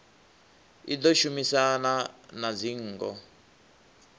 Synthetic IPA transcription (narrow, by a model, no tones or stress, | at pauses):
id̪ɔʃumisananad͡ziŋ̩ːɡɔ